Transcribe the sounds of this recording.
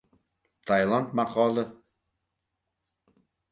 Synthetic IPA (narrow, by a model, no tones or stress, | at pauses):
t̪ʰɑjlˠɑnt̪mɑqɑːlˠɤ